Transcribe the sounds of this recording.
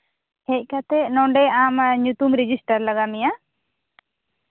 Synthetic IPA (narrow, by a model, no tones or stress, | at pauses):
hɛc̚ˀkat̪ɛnɔ̃ɳɖɛamɲut̪umɾed͡ʒisʈaɾlaɡamija